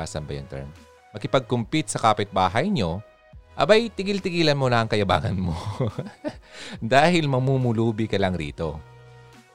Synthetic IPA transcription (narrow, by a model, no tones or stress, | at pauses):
a̰ːsɐmbɐ̰jɐŋt̪ɛ̰ɹm | mɐkɪpɐɡ̚kʊmpit̪̚sɐkaːpɪt̪̚baːɦɐjɲo̞ | ʔɐbajt̪ɪɡɪlt̪ɪɡiːlɐnmolɐɐŋkɐjɐba̰ːŋɐ̰nmo | d̪aːhɪlmɐmumʊluːbɪkɐlɐŋɾḭːt̪o̞̰